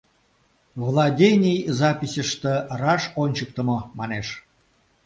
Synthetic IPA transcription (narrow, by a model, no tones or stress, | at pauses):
vlˠɑd̪ʲenʲijzɑpʲisʲəʃt̪ə̆rɑʃonʲt͡ɕək̚t̪ə̆momɑneʃ